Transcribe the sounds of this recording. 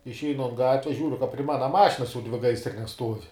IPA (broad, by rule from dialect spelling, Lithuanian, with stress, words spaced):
ɪʃʲˈɛɪnʊ ɐn ˈɡɑːtʲʋʲɛs ˈʒʲuːrʲʊ kɐ pʲrʲɪ ˈmɑːnɐ ˈmɑːʃʲɪnɐs jɛʊ ˈdʲʋʲɪ ˈɡɐɪsʲrʲɪnʲɛs ˈstuɔw